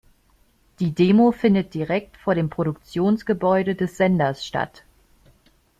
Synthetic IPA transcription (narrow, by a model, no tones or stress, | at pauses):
d̥iːdeːmofɪndət̚d̥iʁɛk̚tfoːɐɾeːmpʁ̥oɾʊkt͡sjoːnsɡ̥əbɔʏɾədɛsz̥ɛndɐsʃta̰t